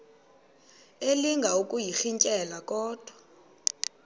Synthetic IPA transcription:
eliŋɡʱaukʼujixiɲcʼɛlakʼɔːd̥ʱwa

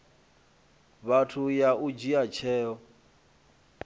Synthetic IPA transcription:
βatʰujaud͡ʒiat͡ʃʰɛːɔ

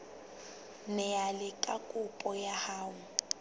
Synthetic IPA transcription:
nɛjalɪkʼakʼʊpʼɔjahaːwʊ

